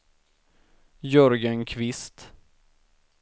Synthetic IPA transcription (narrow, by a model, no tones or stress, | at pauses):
jɵɾɡənkʰvɪst̪